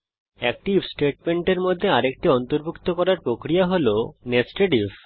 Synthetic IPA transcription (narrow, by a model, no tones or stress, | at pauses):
ɛk̚ʈibsʈeʈ̚meɳʈeɾmod̪ʱːeaɾek̚ʈiɔnt̪oɾbʱukt̪okɔɾaɾpɾokɾijaɦolonesʈeɖiv